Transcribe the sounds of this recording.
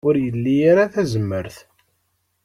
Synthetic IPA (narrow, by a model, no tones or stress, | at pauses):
ʊɾjəlːijaɾaθæzəmːəɾθ